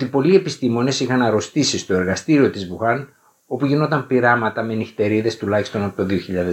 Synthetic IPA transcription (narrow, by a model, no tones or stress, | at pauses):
ot̪ipo̞lie̞pist̪imo̞ne̞sixɐnɐɾo̞st̪isist̪o̞e̞ɾɣɐst̪iɾio̞t̪izbuxɐn | o̞puʝino̞t̪ɐmpiɾɐmɐt̪ɐmenixt̪e̞ɾiðe̞st̪ulɐçist̪o̞nɐpot̪oðio̞çiʎɐðe